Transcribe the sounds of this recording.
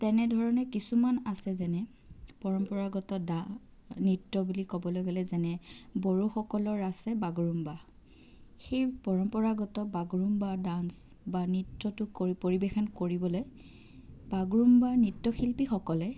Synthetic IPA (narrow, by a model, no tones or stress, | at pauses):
tɛnɛdʱɔɹɔnɛkisumanasɛzɛnɛ | pɔɹɔmpɔɹaɡɔtɔda | nitːɔbulikɔbɔloɡɛlɛzɛnɛboɹuxɔkɔlɔɹasɛbaɡɔɹumba | xejpɔɹɔmpɔɹaɡɔtɔbaɡɹumbadansbanitːɔtʊkopoɹibexɔnkoɹibɔloj | baɡɹumbanitːɔxilpixɔkɔlɛ